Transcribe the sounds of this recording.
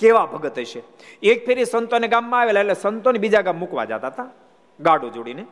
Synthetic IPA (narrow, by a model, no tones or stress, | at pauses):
keʋabʱəɡət̪ɦəʃʰe | ek̚pʰeɾisənt̪oneɡamːãaʋelaeʈlesənt̪onebid͡ʒaɡamːukʋa̰d͡ʒa̰t̪aɦət̪a | ɡaɽod͡ʒoɽine